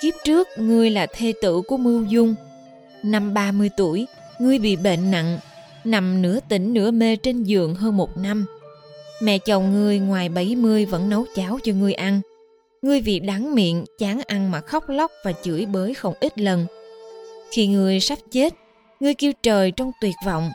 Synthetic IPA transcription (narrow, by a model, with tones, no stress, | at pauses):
ki˦˥p̚t͡ɕɨ˦˥ək̚ŋɨ˧əjlaː˨˩t̪ʰe˧t̪ɨ̰˧˨ku˧˩əmɨ˧wzʊ˧ŋ͡m | na˧mɓaː˧mɨ˧əjt̪u˧˩əj | ŋɨ˧əjɓḭ˧˨ɓḛ˧˨nːa̰˧˨ŋ | na˨˩mnɨ̰˧˥ət̪ï˧˩ŋ̟nɨ̰˧˥əme˧t͡ɕe˧nzɨ̰˨əŋɦəː˧nmo˨˩t̚na˧m | mɛ̰˧˨t͡ɕə˨˩wŋ͡mŋɨ˧əjŋwaː˨˩jɓa˧˩jmɨ˧əjvə̰˧˥nːə˨˦wt͡ɕaː˨˦wt͡ɕɔ˧ŋɨ˧əjʔa˧n | ŋɨ˧əjvḭ˧˨ɗa˨˦ŋmḭ˧˨ənt͡ɕaː˨˦ŋʔa˧nmaː˨˩xɔ˦˥wk͡p̚la˦˥k͡p̚vaː˨˩t͡ɕɨ̰˧˥əjɓəː˨˦jxə˧wŋ͡mʔi˦˥t̚lə˨˩n | xi˧ŋɨ˧˩əjsa˦˥t̚t͡ɕe˦˥t̚ | ŋɨ˧əjki˧əwt͡ɕəː˨˩jt͡ɕɔ˧wŋ͡mt̪wi˨˩ət̚vɔ̰˧˨wŋ͡m